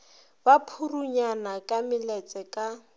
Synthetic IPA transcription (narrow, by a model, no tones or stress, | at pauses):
bapʰuruɲanakʼamɪlɛt͡sʼɛkʼa